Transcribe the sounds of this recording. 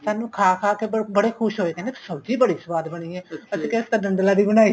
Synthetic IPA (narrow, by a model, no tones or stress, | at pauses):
saːnũːkʰaːkʰaːkebəɽeːkʰʊʃɦoːeːkɛ̃ːnd̪esəbd͡ʒiːbəɽiːsəʋaːd̪bəɽ̃iːɛ̃ːəsĩkest̪anə̃nd̪laːd̪iːbəɽ̃aːi